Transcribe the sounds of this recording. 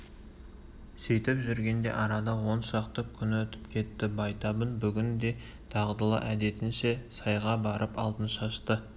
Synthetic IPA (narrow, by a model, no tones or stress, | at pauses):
sejt̪ɪpʒʏɾɡʲe̞nd̪e̞̰ʔɑɾɑd̪ɑwo̞nʃɑqt̪əkʲʰʏnɪwɵt̪ɪ̥pkʲʰe̞t̪ːɪbɑjt̪ɑbənbʏɡʲɪnd̪e̞ | t̪ʰɑʁd̪əlˠə̰ʔæd̪e̞t̪ɪnʃe̞sɑjʁɑbɑɾəpɑlˠd̪ənʃɑʃt̪ə